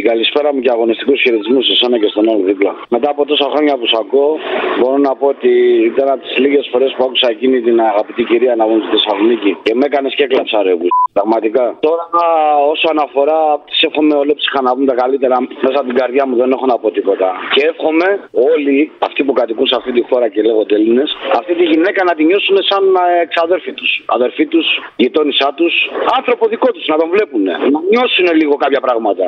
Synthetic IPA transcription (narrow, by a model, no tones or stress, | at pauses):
iɡɐlispe̞ɾɐmuceɐɣo̞nist̪ikusçiɾet̪izmusisonece̞st̪o̞nɐlðiplɐme̞t̪ɐːpo̞t̪o̞sɐxɾo̞ɲɐpusɐko̞bo̞ɾo̞nɐpo̞ot̪iit̪ɐnɐp̚t̪i̥zliɣe̞sfo̞ɾe̞spuakusɐecinit̪inɐɣɐpit̪iciɾiɐnɐvunt̪iðisɐlonicice̞me̞kɐne̞sceklɐpsɐɾepuspɾɐɣmɐt̪ikɐt̪o̞ɾɐɐo̞soɐnɐfo̞ɾɐːpot̪i̥sefxo̞me̞o̞lepsi̥xɐnɐvumt̪ɐkalit̪e̞ɾɐme̞sɐt̪iɡɐɾðʝɐmuðe̞nexo̞nɐpo̞t̪ipo̞t̪ɐceefxo̞me̞o̞liɐft̪ipukɐt̪ikunseɐft̪it̪ifo̞ɾɐcele̞ɣo̞t̪eline̞sɐ̰ft̪it̪iʝinekɐnɐt̪iɲo̞sune̞sɐneksɐðe̞ɾfit̪usɐ̰ðe̞ɾfit̪usʝit̪o̞nisɐt̪usɐnθɾo̞poðiko̞t̪uznɐt̪o̞ɱvle̞pune̞̰nɐɲo̞sune̞liɣo̞kɐpçɐpɾɐɣmɐt̪ɐ